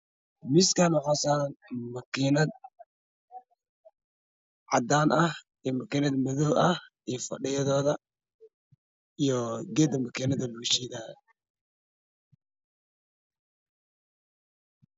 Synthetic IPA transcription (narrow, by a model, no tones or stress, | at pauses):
mɪskʰanʊħɔsaːnmɐkʰinɐd̪̚ | ʕɑ̰d̪aːnʔɐh | ɛmɐkinɐd̪mɐðɔwʔɐh | ifɐ̰ɖɪjɐðɔːðɐ | ijɔɡɛːd̪ɐmɐkʰinɐðɐluʃiðaːj̰